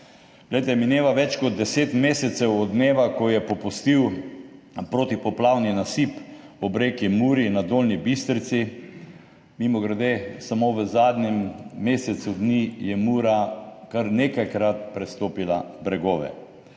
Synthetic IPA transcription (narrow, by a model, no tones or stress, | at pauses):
ɡ̥lɛjt̪ɛmineːʋaʋɛt͡ʃkɔd̪̚ːɛseːt̪meːsɛt̪sɛwɔd̪neːʋakɔjɛpɔpust̪iw | pɾoːt̪ipɔplawninasipɔbɾeːkimuːɾinad̪oːlnibist̪ɾt̪si | mimɔɡɾd̪eːsamoʋəzaːd̪nɛmːeːsɛt̪sud̪nijɛmuːɾakaɾnekajkɾat̪̚pɾɛst̪oːpila̰bɾɛɡoːʋɛ̰